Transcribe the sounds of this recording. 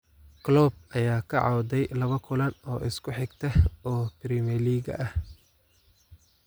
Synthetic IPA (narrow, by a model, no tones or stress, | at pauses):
ɡ̥lɔːb̚ɐjaːkʰɐʕɑwd̪ɛjlɐβɐkʰʊlɐnɔːʔɪskʰʊħɪɡt̪ʰɐhɔːprimɛliːɡɐ̰ʔɐh